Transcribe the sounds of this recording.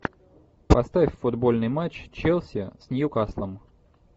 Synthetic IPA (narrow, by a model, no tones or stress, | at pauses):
pɐst̪afʲfʊd̪bo̞lʲnɨjmat͡ɕt͡ɕelˠsʲɪsʲnʲɪjukaslˠəm